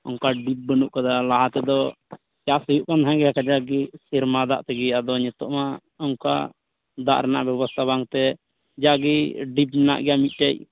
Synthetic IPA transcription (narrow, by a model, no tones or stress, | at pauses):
ɔŋkaɖip̚bənuʔkad̪alaɦat̪ɛd̪ɔ | t͡ʃasəjuʔkanɦãɡɛakad͡ʒaɡisiɾmad̪a̰ʔt̪ɛɡɛad̪ɔɲɛt̪ɔʔma | ɔŋka̰ | d̪a̰ʔɾɛna̰ʔbjɔbɔst̪ʰaβaŋt̪ɛ | d͡ʒaɡiɖip̚ɲɛna̰ʔɡɛjamit̪̚ˀʈac